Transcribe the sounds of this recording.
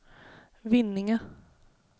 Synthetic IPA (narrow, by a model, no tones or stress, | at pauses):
vɪnːɪŋə